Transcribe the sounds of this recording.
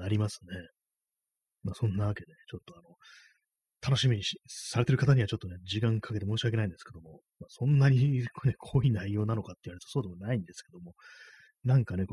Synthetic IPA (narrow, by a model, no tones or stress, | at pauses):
aɾʲimasɨ̥ne̞ | maːsõ̞nːaβake̞d̪e̞t͡ɕo̞t̪ːo̞ano̞ | t̪ʰano̞ɕimʲiɲ̟isaɾe̞t̪eɾɯ̟kat̪aɲ̟iβat͡ɕo̞t̪ːo̞ne̞d͡ʑikãŋkʰake̞t̪e̞moːɕiake̞naĩnd̪e̞sɨ̥ke̞d̪o̞mo̞ | masõ̞nːaɲ̟iknekʰoːinaijo̞ːnano̞kat̪ːeiɯβaɾeɾɯt̪osoːd̪e̞monaĩnd̪esɨ̥ke̞d̪omo̞ | nãŋkanek